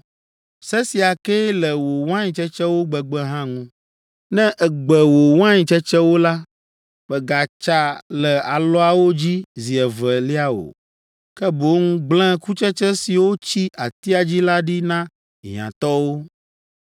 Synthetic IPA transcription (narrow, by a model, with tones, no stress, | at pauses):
sɛ˦si˨a˨kɛ˦lɛ˨wo˨w̃ã˦ɲĩ˨t͡ʃɛ˦t͡ʃɛ˦wo˦ɡ͡bɛ˨ɡ͡bɛ˦ɦã˦ŋũ˦ | nɛ̃˦ʔɛ˨ɡ͡bɛ˨wo˨wã˦ɲĩ˨t͡ʃɛ˦t͡ʃɛ˦wo˦la˦ | ɸɛ˨ɡa˨t͡ʃa˦lɛ˨a˨lɔ˦a˨wo˦d͡ʑi˦zi˨ɛ˨vɛ˨li˦a˦o̰˨ | kɛ˦bo˦ŋũ˦ɡ͡blɛ̃˦ku˦t͡ʃɛ˦t͡ʃɛ˦si˨wo˦t͡ɕi˦ʔa˨t̪i˦a˨d͡ʑi˦la˦ɖi˦nã˦ | ɦã̰˨t̪ɔ˦wo˦